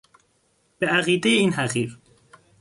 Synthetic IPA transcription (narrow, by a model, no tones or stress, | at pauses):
b̥eæɣiːd̪ejeiːnɦæɣiːɾ